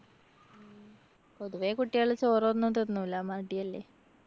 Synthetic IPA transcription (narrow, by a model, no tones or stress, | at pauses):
po̞ðuʋekuʈːijaɭɐt͡ɕoːronːont̪enːulːamaʈːijɐlːe